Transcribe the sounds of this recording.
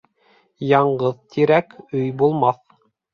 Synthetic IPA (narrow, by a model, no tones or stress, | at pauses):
jɑɴɢɤðt̪ʰiɾækɵjbulˠmɑθ